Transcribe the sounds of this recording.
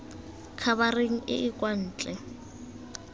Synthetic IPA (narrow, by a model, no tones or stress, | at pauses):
kʰaβareŋ̩ʔɪ̰ʔɪkʼwan̩ːt͡ɬʼɛ